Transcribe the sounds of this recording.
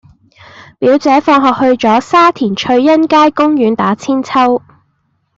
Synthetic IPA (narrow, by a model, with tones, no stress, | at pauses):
piː˨˥wt͡sɛː˨˥fɔː˧ŋɦɔː˨k̚hɵ˧ɥt͡sɔː˨˥saː˥t̪ʰiː˨˩nt͡ʃʰɵ˧ɥjɐ˥nkaː˥jkʊ˥ŋjyː˨˥nt̪aː˨˥t͡sʰiː˥nt͡sʰɐ˥w